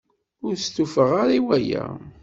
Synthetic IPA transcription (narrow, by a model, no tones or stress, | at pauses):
ʊɾst̪ufəʁaɾˤiwæjæ̰